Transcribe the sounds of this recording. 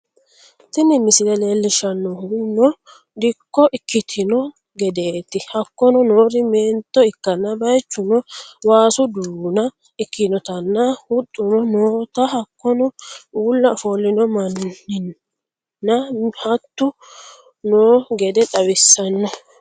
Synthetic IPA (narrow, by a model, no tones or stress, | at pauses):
t̪ɪnɪmɪsɪlɛle̞ːlːɪʃɐnːɔhʊnɔ | d̪ɪkːɔʔɪkːɪt̪ʰɪnɔ | ɡɛd̪e̞ːt̪ːɪhɐkːɔnɔnoːɾɪmeːnt̪ːɔɪkːɐnːɐbɐjt͡ʃːʊnɔwaːsʊd̪uːnɐ | ɪkʰːɪnɔt̪ɐnːɐhʊt̪ʼːʊnɔnoːt̪ɐɦɐkːɔnɔuːlːɐfolːɪnɔmɐnːɪnː | ɐhɐt̪ːʊ | noːɡɛd̪ɛᶑɐwɪsːɐnːɔ